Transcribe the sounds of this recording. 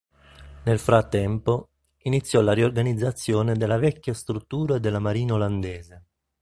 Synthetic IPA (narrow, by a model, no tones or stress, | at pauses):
nelfɾat̪ːɛmpo | init̪sːjɔlariorɡanid̪zːat̪sːjoːned̪elːavɛkːast̪ɾut̪ːuːɾaed̪ːelːamaɾiːnaoland̪ɛːze